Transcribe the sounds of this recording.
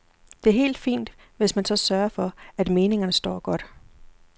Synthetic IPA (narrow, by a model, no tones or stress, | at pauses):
d̥e̝æɐɦe̝̰ːld̥fḭːnd̥ | ʋe̝smænsɒ̽sɶːɐfɒ̽æd̥me̝ːne̝ŋɐnəsd̥ɒ̰ːɡ̥ɒ̽d̥